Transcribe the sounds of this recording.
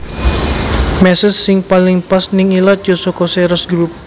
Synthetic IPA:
mɛsəsːɪŋpalɪŋpasnɪŋilad͡ʒosokosɛɾɔsɡɾup̚

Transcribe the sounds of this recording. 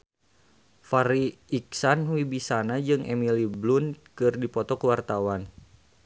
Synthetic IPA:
faɾiiksanwibisanad͡ʒɨŋʔɛmiliblunkɨrdipɔt̪ɔkəwart̪awan

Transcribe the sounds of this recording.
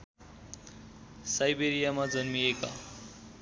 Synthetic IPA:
sajbeɾijamad͡zʌnmieka̰

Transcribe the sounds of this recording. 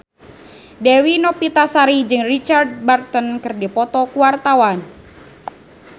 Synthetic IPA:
dewinɔpit̪asaɾid͡ʒɨŋrit͡ʃard̚bart̪ənkɨrdipɔt̪ɔkuwart̪awan

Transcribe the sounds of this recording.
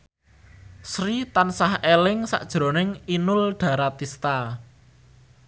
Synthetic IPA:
sɾit̪ansahelɪŋsa̰ʔd̥ʒ̥ɾo̤nɪŋinʊlɖ̪̥a̤ɾat̪ist̪a

